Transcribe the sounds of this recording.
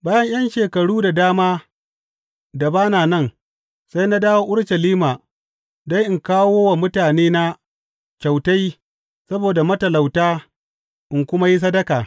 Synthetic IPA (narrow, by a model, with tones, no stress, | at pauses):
baː˦jɐ˦ɲj̰ɐ˦nʃeː˨kɐ˨ɽuː˦da˨daː˦maː˦ | da˨baː˦naː˨nɐ˦˨ŋ | sa˦jna˦daː˦woː˦ʔʊ˦ɽʃɐ˨liː˦ma˨ | da˦jʔɪ˨ŋkaː˦woː˦wa˨mʊ˦taː˨neː˦na˦ | t͡ʃa˨wta˦j | sɐ˦boː˨da˨mɐ˦tɐ˨la˨wtaː˦ | ʔɪ˨ŋkʷʊ˦ma˦ji˦s̬ɐ˦dɐ˦kaː˨